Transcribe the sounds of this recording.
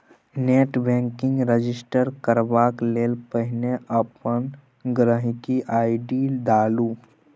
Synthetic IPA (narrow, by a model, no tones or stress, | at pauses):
neːʈbɛ̃ːŋkɪ̃ŋɡɾed͡ʒɪsʈəɾkəɾʋaːkleːlpəɦɪneəpən | ɡɾəɦɪkiʔaːɪɖid̪aːluː